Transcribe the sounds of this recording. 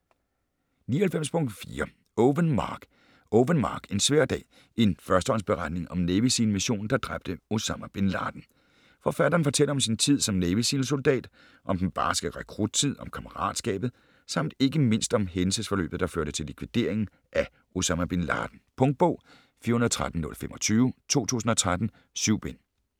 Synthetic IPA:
nḭːɐhelfem̰spʰɔ̽ŋd̥fḭːɐ | oʋənmɑːɡ̥ | oʋənmɑ̈ːɡ̥e̝nsʋæɐ̰d̥ɛ̰ː | e̝nfɶɐsd̥əɒ̽nsb̥e̝ʁɑ̈d̥ne̝ŋʔɒ̽mneːʋisiːnmiɕo̝̰ːn̩d̥ɑ̈d̥ʁɑ̈b̥̚d̥əo̝sɑmæb̥e̝nlɑ̰̈ːd̥n̩ | fɒfæɾ̥ɐːnfɒ̽t͡sʰel̰əɒ̽msint͡sʰið̰ˠsɒ̽mneːʋisḭːn̩so̝ld̥ɛ̰ːd̥ | ʔɒ̽md̥enb̥ɑ̈ːsɡ̥æʁɛkʰʁud̥̚t͡sʰið̞̰ˠɒ̽mkʰæməʁɑ̰̈ːd̥sɡ̥ɛ̰ːb̥ð̩ˠ | sɑ̈m̰d̥e̝ɡ̥əme̝n̰sd̥ɒ̽mɦensəsfɒ̽lø̰ːb̥ð̞̩ˠd̥ɑ̈føɐ̰ɾ̥ət͡sʰe̝likʰʋid̥e̝̰ɐ̰e̝ŋn̩ | ʔæ | o̝sɑmæb̥e̝nlɑ̰̈ːd̥n̩pʰɔ̽ŋd̥̚b̥ɔ̰̽ʊ̰ | fiːɐhunɐð̩ˠt͡sʰʁad̥n̩nɔ̽lfemɒ̽t͡sʰyːʊt͡sʰo̝̰ːt͡sʰṵːs̬n̩ɒ̽t͡sʰʁad̥n̩ | syʊ̰b̥en

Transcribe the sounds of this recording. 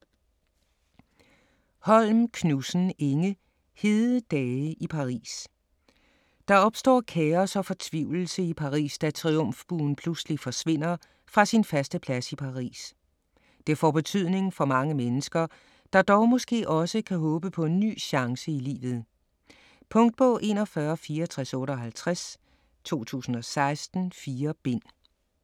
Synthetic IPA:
hɒ̽lmkʰnusn̩eŋə | he̝ð̩ˠd̥ɛːʔipʰɑ̈ʁḭːs | d̥ɑ̈ɒ̽b̥sd̥ɒ̰ːkʰɛːɐsɒ̽fɒ̽t͡sʰʋiʊl̩səipʰɑ̈ʁḭːsd̥æt͡sʰʁiɔ̽m̰fb̥ṵːn̩pʰluslifɒ̽sʋe̝n̰ɐ | fʁɑ̈sinfæsd̥əpʰlæsipʰɑ̈ʁḭːs | d̥e̝ɐfɒb̥e̝t͡sʰyð̞̰ˠne̝ŋ̩fɒ̽mɑ̈ŋəmenəsɡ̥ɐ | d̥ɑ̈d̥ɒʊmɔ̽sɡ̥e̝̰ːʔɒ̽səkʰæɦɔ̽ːb̥əpʰɒ̽e̝nːy̰ːɕɑ̈ŋsəilḭːʋð̩ˠ | pʰɔ̽ŋd̥̚b̥ɔ̽ʔe̝̰ːnɒfɶːɐfiːɐɒt͡sʰʁaɛsɔ̽ːɾəɒ̽ɦælt͡sʰʁas | t͡sʰo̝̰ːt͡sʰṵːsn̩ɒ̽sɑ̈ɪsd̥n̩fiːɐb̥e̝n̰

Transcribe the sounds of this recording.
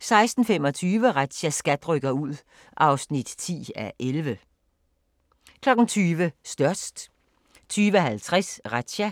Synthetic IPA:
sɑ̈ɪsd̥n̩femɒ̽t͡sʰyːʋəʁad̥ɕæsɡ̥æd̥ʁœɡ̥ɐuð̞̰ˠ | ʔɑ̈ʊsnid̥t͡sʰḭːæʔelʋə | kʰlɒ̽ɡ̥n̩t͡sʰyːʋəsd̥ɶɐsd̥ | t͡sʰyːʋəɦælt͡sʰʁɛsʁad̥ɕæ

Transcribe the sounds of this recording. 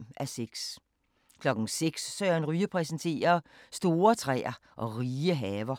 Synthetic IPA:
æseɡ̥s | kʰlɒ̽ɡ̥n̩seɡ̥sːœːɐnʁyːəpʰʁɛs̬n̩t͡sʰe̝̰ːɐsd̥o̝ːɐt͡sʰʁɛ̰ːɐ | ʔɒ̽ʁiːəɦɛːʋɐ

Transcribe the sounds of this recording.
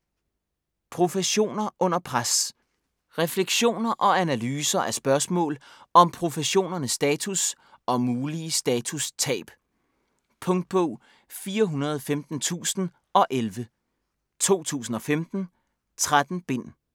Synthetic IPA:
pʰʁo̝fəɕo̝̰ːnɐʔɔ̽n̰ɐpʰʁas | ʁɛfleɡ̥ɕo̝̰ːnɐʔɒ̽ænælyːsɐʔæsb̥ɶɐsmɔ̰̽ːlɒ̽mpʰʁo̝fəɕo̝̰ːnɐnəsːd̥ɛːt͡sʰus | ɒ̽muːliəsd̥ɛːt͡sʰust͡sʰɛ̰ːb̥ | pʰɔ̽ŋd̥̚b̥ɔʊ̰ | fiːɐɦunɐð̞̩ˠfemd̥n̩t͡sʰṵːsn̩ | ɒ̽ʔelʋə | t͡sʰo̝̰ːt͡sʰṵːsn̩ɒ̽femd̥n̩ | t͡sʰʁad̥n̩b̥e̝n̰

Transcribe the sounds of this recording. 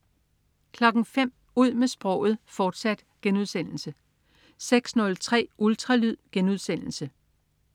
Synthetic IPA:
kʰlɒ̽ɡ̥ŋ̩fem̰ | uð̞̰ˠmesb̥ʁɒ̽ʊ̰ð̩ˠfɒːd̥sæd̥ɡ̥enuð̞̰ˠsen̰l̩sə | seɡ̥snɔ̽lt͡sʰʁɛ̰ːʔult͡sʰʁɑlyð̰ˠɡ̥enuð̞ˠsen̰l̩sə

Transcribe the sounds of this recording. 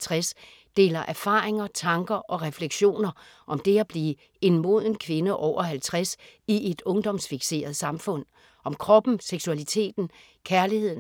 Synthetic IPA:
t͡sʰʁas | d̥e̝̰ːlɐʔæɐfɑ̈ːʁeŋɐt͡sʰɑ̈ŋɡ̥ɐʔɒ̽ʁɛfleɡ̥ɕo̝̰ːnɐ | ʔɒ̽md̥e̝æb̥liː | e̝nmo̝ð̞̰ˠenkʰʋe̝nəʔɒʊ̰ɐhælt͡sʰʁasiʔe̝d̥ɔ̽ŋd̥ɒ̽msfiɡ̥se̝̰ːɐðˠsɑ̈mfɔ̽n̰ | ʔɒ̽mkʰʁɒ̽b̥n̩seɡ̥suælit͡sʰe̝̰ːd̥n̩ | kʰæɐlihe̝ð̰ˠ

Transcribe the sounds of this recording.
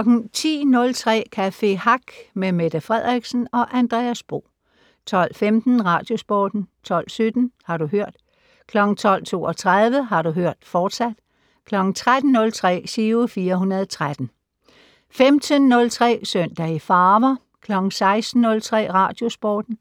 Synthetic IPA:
ɒɡ̥n̩t͡sʰḭːnɔ̽lt͡sʰʁɛ̰ːkʰæfe̝hɑɡ̥memed̥əfʁɛð̞̰ˠʁiɡ̥sn̩ɒ̽ʔænd̥ʁɛ̰ːæsb̥ʁo̝̰ː | t͡sʰɒ̽l̰femd̥n̩ʁɑ̈ːd̥jo̝sb̥ɒ̰ːd̥n̩t͡sʰɒ̽l̰sød̥n̩hɑ̈ɾuɦøɐ̰d̥ | kʰlɒ̽ɡ̥̩t͡sʰɒ̽l̰t͡sʰo̝̰ːɒt͡sʰʁaðˠʋəɦɑ̈ɾuɦøɐ̰d̥fɒːd̥sæd̥ | kʰlɒ̽ɡ̥n̩t͡sʰʁad̥n̩ːɔ̽lt͡sʰʁɛ̰ːsyːʊfiːɐɦunɐðˠt͡sʰʁad̥n̩ | femd̥ənːɔ̽lt͡sʰʁɛ̰ːsœn̰d̥æifɑːʋɐ | kʰlɒ̽ɡ̥n̩sɑ̈ɪsd̥n̩ːɔ̽lt͡sʰʁɛ̰ːʁɑ̰̈d̥jo̝sb̥ɒ̰ːd̥n̩

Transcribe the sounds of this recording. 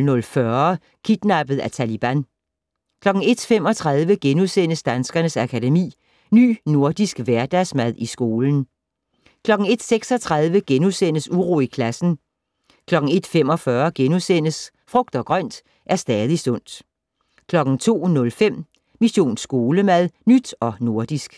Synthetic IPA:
nɔ̽lfɶɐ | kʰid̥nɑ̈b̥ð̞̩ˠæt͡sʰælib̥æn | kʰlɒ̽ɡ̥ŋ̩e̝d̥fem̰ɒ̽t͡sʰʁɑðˠʋəɡ̥enusen̰əsd̥ænsɡ̥ɐnəsækʰædemḭː | ny̰ːno̝ɐ̰d̥isɡ̥ʋæɐd̥æsmæð̞ˠʔisɡ̥o̝ːln̩ | kʰlɒ̽ɡ̥ŋ̩e̝d̥seɡ̥sɒ̽t͡sʰʁɑð̞ˠʋəɡ̥enusen̰əsuʁo̝ːikʰlæsn̩ | kʰlɒ̽ɡ̥ŋ̩e̝d̥fem̰ɒ̽fɶɐɡ̥enusen̰əs | fʁɔ̽ɡ̥̚d̥ɒ̽ɡ̥ʁɶn̰d̥ | ʔæɐsd̥ɛːð̞ˠisɔ̽n̰d̥ | kʰlɒ̽ɡ̥ŋ̩t͡sʰo̝̰ːnɔ̽lfem̰ | miɕo̝̰ːnsɡ̥o̝ːləmæð̞ˠnyd̥ɒ̽no̝ɐd̥isɡ̥

